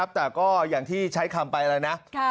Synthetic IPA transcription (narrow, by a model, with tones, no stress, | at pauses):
a˦˥p̚t̪ɛː˨˩kɔː˥˩jaː˨˩ŋt̪ʰiː˥˩t͡ɕʰa˦˥jkʰa˧mpa˧jɾaː˧jna˦˥ʔ